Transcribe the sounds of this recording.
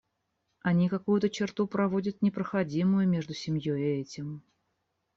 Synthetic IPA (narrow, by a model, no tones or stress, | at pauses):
ɐnʲikɐkujʊt̪ət͡ɕɪrt̪upɾɐvodʲət̪̚nʲɪpɾəxɐdʲimʊjʊmʲeʐd̪ʊsʲɪmʲjojɪɛtʲɪm